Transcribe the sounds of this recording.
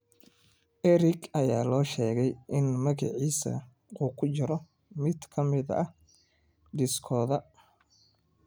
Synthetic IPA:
ʔɛɾɪɡɐjaːlɔːʃɛːɣɛjʔɪnmɐɣɐ̰ʕiːsɐ̰ | quːkʰʊt͡ʃɐɾɔ | mɪd̪kʰɐmɪðɐɐ̰ | ɖɪskʰɔːðɐ

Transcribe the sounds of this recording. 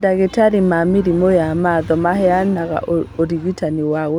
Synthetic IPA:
daɣetaɾimamiɾimɔjamaðɔmahɛanaɣa̰ʔoɾiɣitaniwaɣo

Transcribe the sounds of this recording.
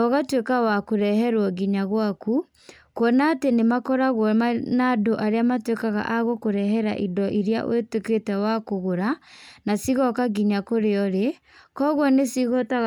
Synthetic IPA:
ɔɣatwekawakoɾɛɦɛɾwɔɡiɲaɣwaku | kwɔnaːtenemakɔɾaɣwɔnadoʔaɾeamatwekaɣa̰ʔaɣokoɾɛɦɛɾa̰ʔidɔʔiɾja̰ʔw̰eteketɛwakoɣoɾanasiɣɔkaɡiɲakoɾeɔɾe | kɔɣwɔnesiɣotaɣ

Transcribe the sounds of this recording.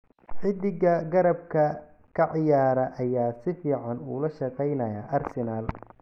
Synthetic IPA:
ħɪd̪ɪɣɐɡɐɾɐb̚kʰɐ | kʰɐʕɪjaːɾɐʔɐjaːsɪfiːʕɑnuːlɐʃɑqɛjnɐjaʔɐrsɪnaːl

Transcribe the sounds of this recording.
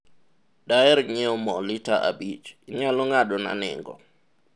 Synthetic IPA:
daɛɾɲeɔmɔlɪtaʔa̰bit͡ʃɲalɔŋadɔna̰nɪ̰ŋɡɔ̰

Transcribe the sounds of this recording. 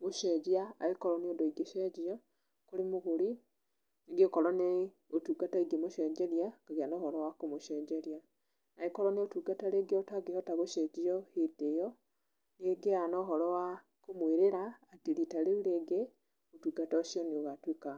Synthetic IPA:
ɣuʃed͡ʒiaːikoɾoniodoiɡiʃeɟijo | kulimuɣuli | iɡekolone | otuɡataiɡimuʃeɟeɾjakaɣianoːholowakumuʃeɟeɾja | naikoɾoneotuɡataleɡiotaɡejotaβoʃed͡ʒijohidejo | neɡeanoɦolowa | kumwiɾiɾaːtilitaleuleɡe | otuɡatooʃionioɣatwika

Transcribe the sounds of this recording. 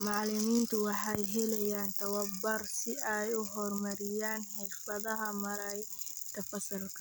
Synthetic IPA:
mɑʕlɪmiːnt̪ʰʊwɑħɑjɦɛlɛjaːnt̪ʰɐwɐbɐrsɪɛjʊɦɔrmɐɾɪjaːnħɛjfɐðɐɦɐmɐɾɐj | k̪ʰɐfɐsɐlkʰɐ̥

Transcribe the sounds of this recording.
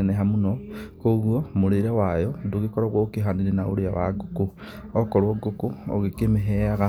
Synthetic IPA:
eneɦamunokoɣwomuɾiɾewajoduɣikoɾoɣokiɦaniɾenaṵɾia̰wa̰ɡuku | okoɾoɡukuo̰ɣikemeɦeaɣa

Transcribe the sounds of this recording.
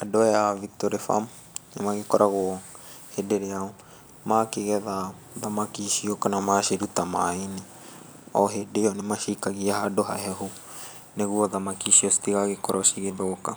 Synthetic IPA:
adɔɛavik̚t̪ɔɾɛfa̰m | nimaɣekɔɾʔaɣuɔ | hedeɾeau | makiɣɛða | ðamakiʃiɔkanamaʃeɾut̪amaini | ɔ̰ɦedeɔnimaʃikaɣiahadɔɦa̰ɦɛɦu | neɣuɔðamakisiɔsi̥t̪iɣaɣekɔɾʔɔsiɣeðɔɔka

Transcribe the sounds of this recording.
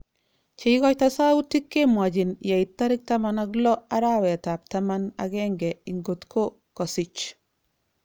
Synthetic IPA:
t͡ʃeiɡɔctasawutːikːemwaɟinjaitːaɾik̚tamanaɡlɔaɾawɛtap̚tamana̰ɡɛŋɡɛiŋɡotkʰo | kɔsit͡ʃ

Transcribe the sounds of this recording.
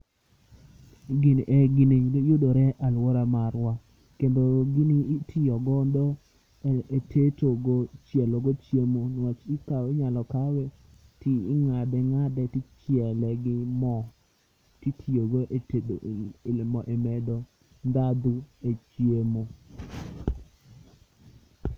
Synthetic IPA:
ɡɪnʔɛɡɪninjʊdoɾɛʔalwɔɾamaɾwa | kendoɡɪnitʰɪɔɡɔndɔ | etʰetoɡot͡ʃɛloɡɔt͡ʃjemonwat͡ʃikawɛɲalɔkawɛ | tiːŋadɛŋadɛtit͡ʃjɛlɛɡɪmɔ | titʰioɡoʔetedolɪmɔʔemɛdɔ | nd̪ad̪uet͡ʃjemo

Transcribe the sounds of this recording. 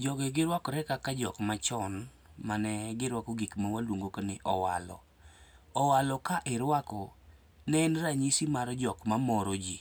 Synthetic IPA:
d͡ʒɔɡɛɡɪɾwakɔɾɛkakad͡ʒɔ̰kmat͡ʃɔn | manɛɡɪɾwakɔɡikmawalwoŋɡokanɪʔɔwa̰lɔ̰ | ɔwalɔkaʔɪɾwakɔ | nɛnraɲisimaɾɔd͡ʒɔkmamɔɾod͡ʒi

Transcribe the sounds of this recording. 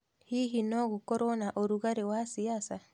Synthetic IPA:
hiɦinɔɣukoɾonaʔoɾuɣaɾewasiasa

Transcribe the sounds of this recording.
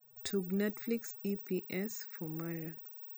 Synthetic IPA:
tʰuɡnɛtfliksipʰiʔɛsfɔmaɹa

